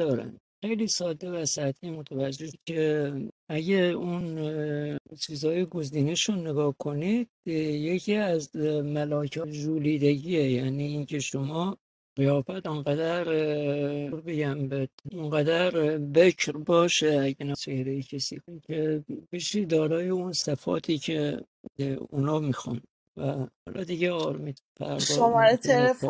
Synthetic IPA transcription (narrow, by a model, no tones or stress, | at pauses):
d̪ɒːɾæ̰nd̪̥xejliːsɒːd̪e̞væsæt̪ʰiːmot̪ʰævæd͡ʒːecʰeæɟeun | t͡ʃʰiːzhɒːjeɡo̞ziːneʃonːeɡɒːhkʰo̞nid̪̥̚jecʰiːæzmælɒːcʰɒʒuːliːd̪eɟiejæniːiːncʰeʃomɒː | ɣ̥ejɒːfæt̪oŋɢæd̪æɾ | ɾbeɟæmbed̪̥̚oŋɡæd̪æɾbecʰɾbɒːʃeæɟenæt͡ʃehɾejecʰesḭːkonicʰebiʃid̪ɒːɾɒːjeunsæfɒ̰ːt̪ʰiːcʰe | unɒːmixɔ̰n | væhɒ̰ːlʔɒ̰d̪iɟeɒːɾmiːd̪pʰæ̰ɾdʃɔomɒɾet̪ʰeɾ